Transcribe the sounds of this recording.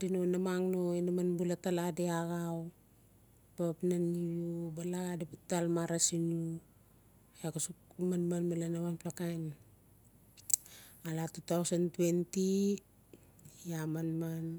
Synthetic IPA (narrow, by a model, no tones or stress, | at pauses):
dinonamaŋnoinamanbulataladeaɣaw | papnanijubaladeputalmaɾasinu | ekasukmanmanmalanamanplakajn | alatutawsantue̞nti | amanman